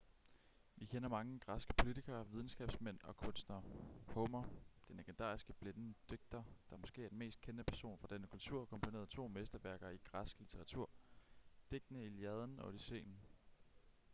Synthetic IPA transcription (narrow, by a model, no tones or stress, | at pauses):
ʋikʰenɐmɑ̈ŋəɡ̥ʁɑsɡ̥ə̥pʰo̝lit͡sʰiɡ̥ɐːʋið̞ˠn̩sɡ̥ɛ̰ːb̥smen̰ɒ̽kʰɔ̽nsd̥nɐhɔmɐd̥enleɡ̥end̥ɑ̰̈ːisɡ̥əb̥lenənəd̥øɡ̥̚d̥ɐd̥ɑmɔ̽sɡ̥e̝̰ːɐd̥enme̝̰ːsd̥̚kʰenəpʰæɐso̝̰ːnfʁɑ̈d̥enəkʰult͡sʰuɐ̰kʰɒ̽mpʰo̝ne̝ːɐðˠt͡sʰo̝̰ːmesd̥ɐʋæɐɡ̥ɐiɡ̥ʁɑsɡ̥əlit͡sʰeʁɑ̈t͡sʰuɐ̰d̥e̝ɡ̥ənəiljɛð̞ˠn̩ɒ̽d̥ise̝̰ːnn̩